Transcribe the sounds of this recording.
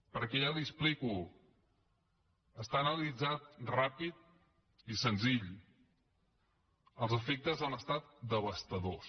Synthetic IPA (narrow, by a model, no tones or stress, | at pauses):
pəɾkɛʒalispliku | əst̪aːnəlid͡zat̪̚rapit̪̚ | isənziʎ | əlˠzəfek̚t̪əzanəst̪at̪̚d̪əβ̞əst̪əðos